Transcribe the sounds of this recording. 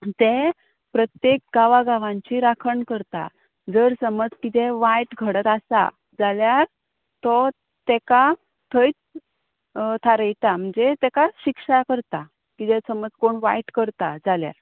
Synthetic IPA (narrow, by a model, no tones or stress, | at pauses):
t̪e | pɾət̪jek̚ɡaʋaɡaʋãɲt͡ɕiɾakʰəɳkəɾt̪a̰ | d͡zəɾsəməd͡zkit̪ɛʋajʈɡʱəɽət̪asa̰ | d͡zaljaɾ | t̪ɔ | t̪ɛka | t̪ʰəjt͡s | t̪ʰaɾəjt̪am̤əɳd͡zet̪ɛkaɕikʂakəɾt̪a | kit̪ɛsəməd͡zkoɳʋajʈkəɾt̪ad͡zalja̰ɾ